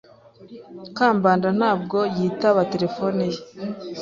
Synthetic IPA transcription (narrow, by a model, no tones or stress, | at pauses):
kaːmbaːndan̥aːb̚ɡo̞jiːtaβate̞ɾe̞fonije